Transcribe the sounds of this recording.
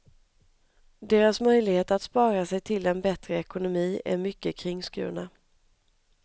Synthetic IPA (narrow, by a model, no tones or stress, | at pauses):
d̪eːɾasmœjlɪɡheːt̪at̪spɑːɾasɛjt̪ʰɪlɛnbɛt̪ɾəɛkʊnʊmiːæ̰ɾmʏkːəkʰɾɪŋːskʉ̟̰ːɳa